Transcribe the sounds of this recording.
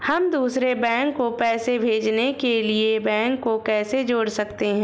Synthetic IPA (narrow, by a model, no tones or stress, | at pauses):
hɐmd̪uːsɾebɛ̃ːŋkːopɛːsebʱeːd͡ʒnekeliebɛ̃ːŋkːokɛːsed͡ʒoːɽsɐkt̪eɦɛ̃ː